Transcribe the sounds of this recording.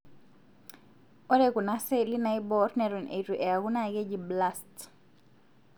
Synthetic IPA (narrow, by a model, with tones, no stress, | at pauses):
ɔ˦ɾeku˨na˦sɛli˦na˦˨ibɔ˦ɾnɛ˨ɾɔ˨nʔḛ˨ɾu˨ʔɛ˨a˨ɡu˦na˦˨ɡe˦d͡ʒi˨bla˦st